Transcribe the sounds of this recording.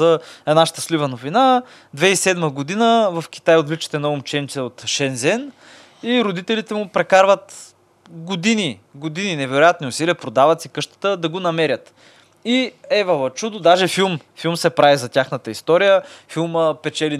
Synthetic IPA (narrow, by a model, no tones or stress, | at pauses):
ɐɛnaʃt̪əslivənovina | d̪vɛisɛd̪məɡod̪inəvɐfk̟ʲi̥t̪ajod̪vlit͡ʃɛ̥t̪ɛnɐʊmt͡ʃɛnsɛot̪ʃɛnzɛn | iɾod̪it̪ɛlit̪ɛmʊpɾɛkaɾvət̪ | ɡod̪iniɡod̪ininɛvɛɾʊjat̪niʊsiliəpɾod̪avɐt̪sikɤʃt̪ə̥t̪əd̪ɐɡonɐmɛɾʲjət̪ | iɛvɐlˠɐt͡ʃud̪ʊd̪aʒɛfilˠmfilˠmsɛpɾavizɐtʲaxnət̪əist̪ɔɾijəfilˠməpɛt͡ʃɛli